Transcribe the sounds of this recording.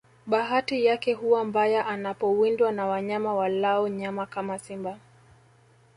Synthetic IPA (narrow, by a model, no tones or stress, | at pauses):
ɓaɦatijakɛɦuwambajaʔanapɔwindwanawaɲamawalaɔɲamakamasimba